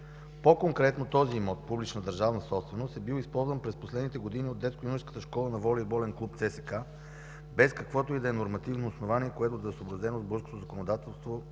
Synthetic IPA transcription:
pokoŋkɾɛt̪not̪ɔzimɔt̪̚publit͡ʃnəd̪ɐɾʒavnəsɔpst̪vɛnost̪ɛbilispɔlˠzvənpɾɛsposlɛd̪nit̪ɛɡod̪iniod̪ːɛt̪skojunskət̪əʃkɔlˠənɐvɔlibɔlɛnklˠupt̪sɛsɛka | bɛskɐkvɔt̪oid̪ɐɛnoɾmɐt̪ivnoːsnovaniɛkoɛt̪od̪ɐɛsobɾɐzɛnozbɔɾsko̥t̪ozɐkonod̪at̪ɛlˠst̪vo

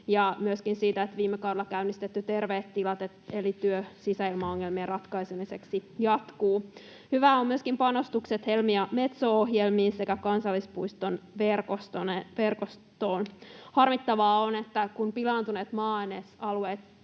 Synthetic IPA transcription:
jɑmyøskinsiːt̪æet̪ʋiːmːekɑwdelɑkæynist̪et̪ːyt̪e̞rʋeːt̪ːilɑt̪et̪elit̪yøsisæilmɑoŋːelmierɑt̪kɑisemiseksijɑt̪kuː | hyʋæommyøskimpɑnost̪ukset̪he̞lmiɑme̞t̪soːoɦjelmiːnse̞kækɑnsɑlːispuist̪onʋerkost̪oneʋerkostt̪oːnhɑrmit̪ːɑʋɑːonet̪ːækunpilɑːnt̪uneːt̪mɑːenesɑlueːt̪

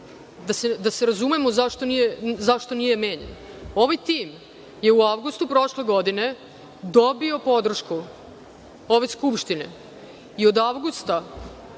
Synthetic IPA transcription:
d̪ased̪ase̞ɾazumemozaʃt̪o̞nijezaʃt̪o̞nije̞me̞ːɲḛno̞ʋajt̪iːm | je̞uaʋɡust̪upɾo̞ʃle̞ɡo̞d̪ine̞ | d̪o̞bio̞po̞d̪r̩ʃku | oʋeskupʃt̪ine̞̰ | io̞d̪aʋɡust̪a

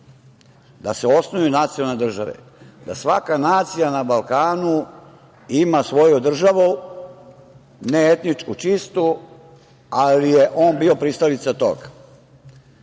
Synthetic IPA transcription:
d̪aseo̞snojunat̪sijolˠne̞d̪r̩ʒaʋḛ | d̪asʋakanaːt̪sijanabalkaːnu | imasʋo̞jud̪r̩ʒaʋu | neet̪nit͡ʃkut͡ʃist̪u | alijeʔo̞ːnbiopɾist̪alit̪sat̪o̰ɡ

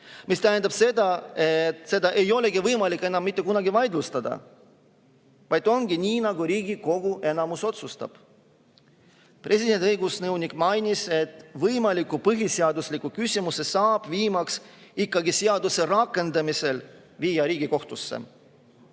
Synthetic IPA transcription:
mist̪æɦend̪ɑb̥se̞d̪ɑet̪se̞d̪ɑʔe̞jo̞le̞ɡivɤjmɑlikːˑe̞nːˑɑmːit̪ˑːe̞kunɑɡivɑjd̪lust̪ɑd̪ɑ̰ | vɑjd̪̥o̞ŋɡ̥inʲiːnɑɡuɾiːɡiko̞ɡ̥ue̞nɑmuso̞t̪sust̪ɑ̰b̥ | prʔe̞sid̪̥e̞nʲt̪ʲɤjɡusnɤwnʲikmɑjnise̞t̪vɤjmɑlikːˑupɤɦiseɑd̪uslikukysʲimuse̞sɑːb̥viːmɑksikːɑɡiseɑd̪use̞ɾɑkːˑe̞nd̪ɑmise̞l | viːjɑɾiːɡiko̞ht̪usːḛ

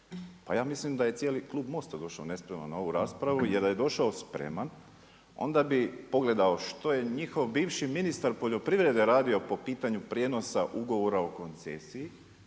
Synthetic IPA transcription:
pajaːmislimd̪aje̞t̪sjeːliklˠuːbmo̞st̪ad̪o̞ʃaone̞spɾema̰nao̞ʋuɾaːspɾaʋujeɾd̪aje̞d̪o̞ʃaospɾḛman | o̞̰nd̪abipo̞ɡle̞d̪ao̞ʃt̪o̞je̞ɲixo̞ʋbiːʋʃiminist̪aɾpo̞ʎo̞pɾiʋɾe̞d̪e̞ɾaːd̪io̞po̞piːt̪aɲupɾje̞no̞saʔuɡo̞ʋo̞ɾaoko̞nt̪sesiji

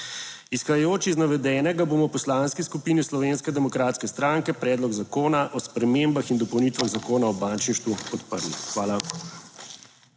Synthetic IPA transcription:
isxajjoːt͡ʃiznaʋɛd̪ɛːnɛɡaboːmɔwpɔslaːnskiskupiniwslɔʋeːnskɛd̪ɛmɔkɾaːt̪skɛst̪ɾaːŋkɛpɾɛːd̪lɔɡzakoːnaʔɔspɾɛmembaxind̪ɔpɔwnit̪ʋaɣzakoːnaɔbaːnt͡ʃniʃt̪ʋuɔt̪pəɾlixʋaːla

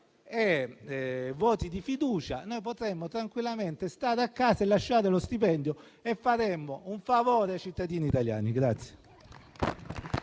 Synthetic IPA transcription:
e | vɔːt̪id̪ifid̪uːt͡ʃa̰nojp̬ot̪ɾemːot̪ɾaŋkwilːament̪est̪aːɾeakːaːsaelːaʃːaːɾelost̪ipɛnd̪jo | efːaɾemːouɱfavɔːɾeat͡ʃit̪ːad̪iːniːt̪alja̰ːniɡɾat̪sːje

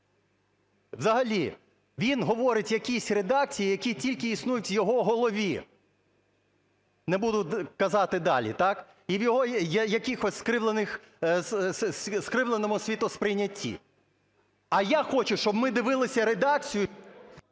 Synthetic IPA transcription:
ʋzɐɦɐlʲi | ʋʲinɦɔʋɔɾɪtʲjɐkʲisʲred̪ɑk̚t͡sʲijijɐkʲitʲilʲkɪisnujʊtʲʋjɔɦɔɦɔlˠɔʋʲi | nɛbud̪ʊkɐzɑt̪ɪd̪ɑlʲḭt̪ɑk | iʋjɔɦɔjjɐkʲɪxɔsʲskɾɪʋlˠenɪx | sskɾɪʋlˠenɔmʊsʲʋʲit̪ʊspɾɪjnʲːɐtʲʰːḭ | ɐjaxɔt͡ʃʊʃt͡ʃɔbmɪd̪ɪʋɪlˠɪsʲɐɾed̪ɑk̚t͡sʲijʊ

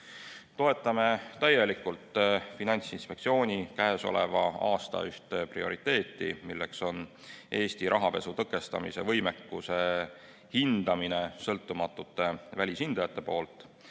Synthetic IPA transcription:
t̪o̞e̞t̪ːˑɑme̞t̪æjːe̞likult̪ːˑfinɑnʲt̪sinspe̞kt̪sio̞ːnʲikæɦe̞so̞̰levɑɑːst̪ɑ̰yht̪eprio̞̰ɾit̪e̞ːt̪ːˑḭmilːe̞̰kso̞n | ʔe̞ːsʲt̪iɾʔɑɦɑpe̞sut̪ɤkːˑe̞st̪ɑ̰mḭse̞vɤ̞jme̞kːuse | hind̪̥ɑmine̞sɤlt̪ːumɑt̪ːˑut̪ːˑe̞vælʲishind̪̥ɑjɑt̪ːe̞po̞ːlt̪ːˑ

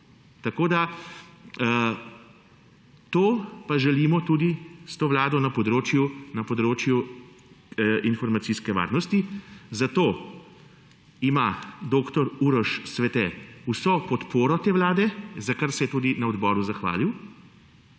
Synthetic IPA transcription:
t̪akoːd̪a | t̪oːpaʒɛliːmɔt̪uːd̪ist̪oːʋlaːd̪ɔnɐpɔd̪ɾoːt͡ʃjunɐpɔd̪ɾoːt͡ʃju | infɔɾmat̪siːskɛʋa̰ːɾnɔst̪izat̪oː | imad̪oːkt̪ɔɾuːɾɔʃsʋɛt̪ɛusɔpɔt̪poːɾɔt̪eːʋlaːd̪ɛzakaɾsɛjɛt̪uːd̪inɐɔd̪bɔːɾuzaxʋa̰ːliw

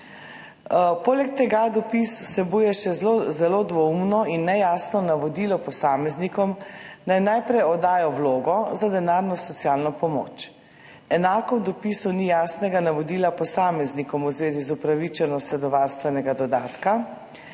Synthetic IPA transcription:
poːlɛk̚t̪ɛɡad̪ɔpiswsɛbuːjɛʃɛzlozɛlod̪ʋɔumnɔinːɛjasnɔnaʋɔd̪iːlɔpɔsaːmɛznikɔmnajnajpɾɛjɔd̪aːjɔwloːɡɔzad̪ɛnaːɾnɔsɔt̪sijaːlnɔpɔmo̰ːt͡ʃ | ɛnaːkɔd̪ɔpisɔnijaːsnɛɡanaʋɔd̪iːlapɔsaːmɛznikɔmuzʋeːzizupɾaʋit͡ʃɛnɔst̪ɛd̪ɔʋaɾst̪ʋɛnɛɡad̪ɔd̪aːt̪ka

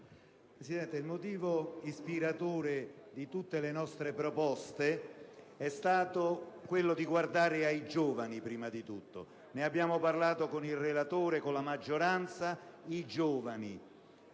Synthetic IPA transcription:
pɾesid̪ɛnt̪eilmot̪̬iːvoispiɾat̪oːɾed̪it̪ut̪ːelenɔst̪ɾepɾopɔst̪e | ɛst̪aːt̪okwelːod̪iɡward̪aːɾɪaid͡ʒoːvanipɾiːmad̪it̪ut̪ːo̰ | neabːjaːmoparlaːt̪okonilrelat̪oːɾekolamad͡ʒːoɾant̪said͡ʒoːvani

